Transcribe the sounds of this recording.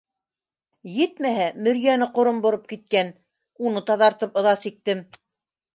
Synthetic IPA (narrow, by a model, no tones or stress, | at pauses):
jɘt̪mæɦæmɵ̆ɾjænɘqŏɾombŏɾop̚kit̪̚kæn | unɤt̪ɑðɑɾt̪ɤpɤ̆ðɑsik̚t̪ɘm